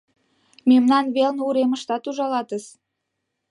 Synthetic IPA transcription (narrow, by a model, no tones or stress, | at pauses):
memnɑnβelnuɾeməʃt̪ɑt̪uʒɑlɑt̪əs